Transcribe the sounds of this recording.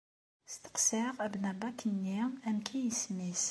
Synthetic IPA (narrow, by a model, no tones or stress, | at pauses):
st̪ə̥qsiʁæbnæbakʰənːiæmkʰæjəsmis